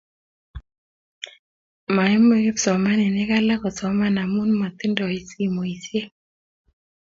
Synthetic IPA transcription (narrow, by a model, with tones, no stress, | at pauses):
ma˨ɛ˦mo˦e˦psɔ˨ma˦nɛ˨nɪ˦ka˦la˦kɔ˨sɔ˨ma˦na˨mu˦nma˨t̪i˦ndɔ˨i˨si˦mo˨i˨sje˦